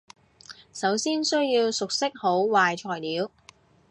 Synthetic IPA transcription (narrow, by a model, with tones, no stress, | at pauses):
sɐ˨˥wsiː˥nsɵ˥ɥjiː˧wsʊ˨k̚sɪ˥k̚ho˨˥wwaː˨jt͡ʃʰɔː˨˩jliː˨˥w